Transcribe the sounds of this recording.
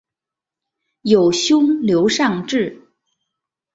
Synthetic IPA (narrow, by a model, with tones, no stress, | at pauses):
jo˨˩ʊɕjʊ˥ŋljo˧˥ʊʂɑ˥˧ŋʈ͡ʂɻ̩˥˩